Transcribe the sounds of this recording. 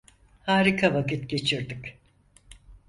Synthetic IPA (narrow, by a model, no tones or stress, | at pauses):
haːɾikʰavakit̪ɟe̞t͡ʃʰiɾd̪ɯk